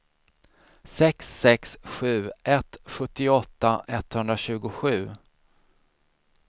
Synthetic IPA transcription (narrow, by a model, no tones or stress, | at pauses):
sɛksːɛksɧʉ̟ːʔɛt̪ːɧɵt̪ːɪɔt̪ːaʔɛt̪ːhɵnd̪ɾaɕʉ̟ːɡʊɧʉ̟ː